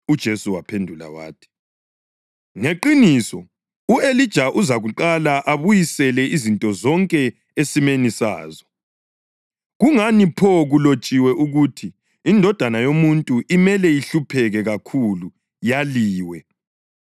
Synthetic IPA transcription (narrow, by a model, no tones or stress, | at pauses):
ud̥ʒ̥ʱesuwapʰendʱula̰wa̰ːtʰi̥ | ŋeǃinisɔ | uelid̥ʒ̥ʱaʔuzaɣuǃalaʔaβujisɛlɛʔizintʼɔzɔŋkʼɛ | esimenisa̰ːzɔ | ɣuŋanipʰɔɣulot͡ʃʼiwɛʔuɣutʰiː | ndʱɔd̥ʱanajomuntʼuʔimɛlɛjiɬupʰɛɣɛɣakʰulu | jaliːwɛ